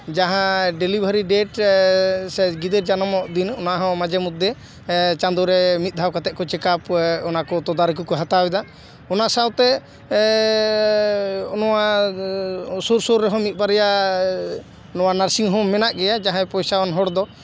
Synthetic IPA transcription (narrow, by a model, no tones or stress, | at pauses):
d͡ʒaɦãɖelibʱaɾiɖɛʈ | sɛɡid̪ɛɾd͡ʒanɔmɔʔd̪inɔnaɦɔ̃mad͡ʒɛmut̪ːɛ | t͡ʃand̪ɔɾɛmit̪̚ˀd̪ʱawkat̪ɛkɔt͡ʃɛkapɔnakɔt̪ɔd̪aɾɛk̬ukɔɦat̪awɛd̪a | ɔnasawt̪ɛ | ɔnɔwa | suɾsɔɾːɛɦɔ̃mit̪̚ˀbaɾɛja | ɔnɔwanaɾsiŋɦɔ̃mɛnaʔɡɛjad͡ʒaɦãpɔjsawanɦɔɽd̪ɔ